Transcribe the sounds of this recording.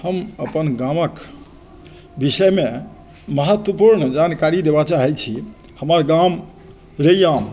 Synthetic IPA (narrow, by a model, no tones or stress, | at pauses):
həməpənɡãmək | bisəjme | məɦət̪wəpuɾɳd͡ʒankaɾid̪ebat͡ʃaɦɛt͡ʃʰi | həməɾɡam | ɾejam